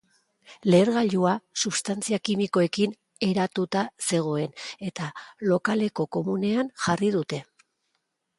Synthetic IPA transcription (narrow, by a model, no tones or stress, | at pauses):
le̞ːɾɣaʎuasuβst̪ant͡siakimiko̞e̞kin | e̞ɾat̪ut̪ase̞ɣ̞o̞e̞ne̞t̪alo̞kale̞ko̞ko̞mune̞anʝarið̞ut̪e̞